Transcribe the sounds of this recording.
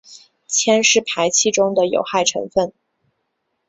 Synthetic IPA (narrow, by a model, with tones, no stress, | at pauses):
t͡ɕʰjɛ˥nʂɻ̩˥˩pʰa˧˥ɪt͡ɕʰi˥ʈ͡ʂʊ˥ŋd̪ə˨jo̰˨˩ʊxa˥˩ɪʈ͡ʂʰɤ̰˧˥ŋfə˥˩n